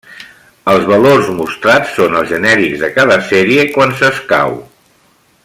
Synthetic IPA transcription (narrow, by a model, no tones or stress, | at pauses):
əlˠzβəlorzmust̪ɾat͡sːonəlˠzʒənɛɾikzðəkaðəsɛɾiəkwansəska̰w